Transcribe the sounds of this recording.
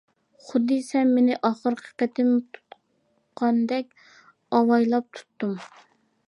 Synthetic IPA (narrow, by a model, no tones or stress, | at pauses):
χʊd̪ːɨsɛmːenɪʔɑχəɾqʰə̥qæt̪ʰɪmt̪ʰu̥t̪ | qʰɑnd̪ɛk̚ʲ | ɑwɑjlˠɑp̚t̪ʰu̥t̪ːum